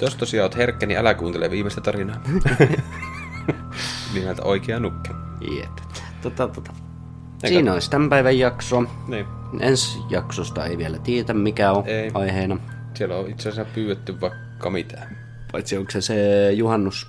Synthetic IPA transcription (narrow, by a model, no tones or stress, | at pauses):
t̪ost̪osiɑˑot̪herkːæniælækuːnt̪eleʋiːmest̪æt̪ɑrinɑː | nimelt̪æ̰oˑikeɑnukːe | jḛp | t̪ot̪ɑt̪ot̪ɑ̥ | esiːnolisʲt̪æmpæˑiʋæjjɑksoɑ | niː | ensjɑksost̪ɑḛiʋielæt̪iet̪æmmikæoeˑiʔɑiheːnɑ | sielːoit̪sesæpyːwet̪ːyʋʋɑˑikːɑmit̪ʰæː | ʋɑˑit̪sioŋksesejuhɑnːus